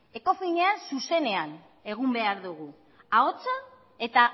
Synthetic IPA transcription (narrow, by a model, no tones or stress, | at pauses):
e̞ko̞fiɲe̞ansuse̞ne̞an | e̞ɣ̞umbe̞aɾðuɣ̞u | ao̞t͡sa | e̞t̪a